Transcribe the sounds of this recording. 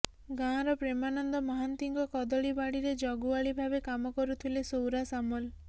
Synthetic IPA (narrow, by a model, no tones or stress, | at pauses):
ɡãɾɔpɾemanɔnd̪ɔmɔɦant̪iŋkɔkɔd̪ɔɭibaɽiɾed͡ʒɔɡuaɭibʱabekamɔkɔɾut̪ʰilesowɾasamul